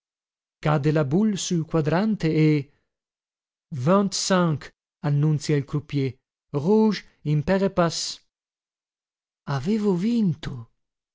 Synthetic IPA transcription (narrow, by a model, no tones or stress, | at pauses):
kad̪elabulsulkwad̪ɾant̪eː | vɔ̃nt̪sãŋk | anːunt̪sjailkɾupje | ʁuʒ | impɛʁepas | aveːvovint̪o